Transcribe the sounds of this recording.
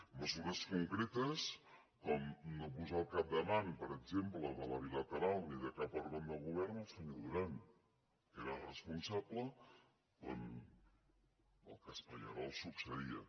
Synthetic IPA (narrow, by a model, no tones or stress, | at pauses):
məzuɾəskuŋkɾet̪əs | kɔmnopuzalˠkap̚d̪əmanpəɾəɡzempləðələβ̞ilət̪əɾalˠniðəkapəɾβand̪əlˠɣuβɛrnəlˠsəɲoðuɾan | keɾəlrəspunsaplə | o̰n | ə̰lˠkəspəʎəɾɔlˠsuksəðiə